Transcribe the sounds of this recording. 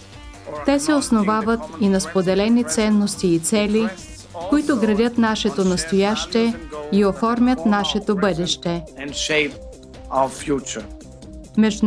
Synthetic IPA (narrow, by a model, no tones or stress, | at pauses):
t̪ɛsɛosnovavət̪inɐspod̪ɛlɛnit̪sɛnːost̪iːt̪sɛlʲi | koit̪oɡɾɐd̪ʲət̪naʃɛt̪onɐst̪ojaʃt̪ɛiofɔɾmʲjət̪naʃɛt̪obɤd̪ɛʃt̪ɛɛ̃nʃeɪp̚ | aʊəfjut͡ʃə | mɛʒ